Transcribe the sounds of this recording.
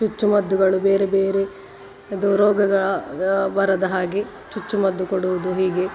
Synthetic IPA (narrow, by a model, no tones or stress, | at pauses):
t͡ʃut͡ʃːumɐd̪ːuɡɐɭubeːɾebeːɾe | ɐd̪uɾɔːɡɐɡɐɭɐbɐɾɐd̪ɐɦaːɡe | t͡ʃut͡ʃːumɐd̪ːukoɽuʋud̪uɦiːɡe̞